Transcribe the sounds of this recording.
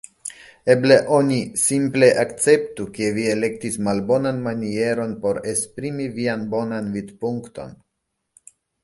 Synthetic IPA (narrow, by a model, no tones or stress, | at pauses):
e̞ble̞ʔo̞nisimple̞ʔakt͡se̞ptuke̞vie̞le̞k̚tismalbo̞nanmanie̞ɾo̞npo̞ɾe̞spɾimivianbo̞nanvid̪puŋkto̞̰n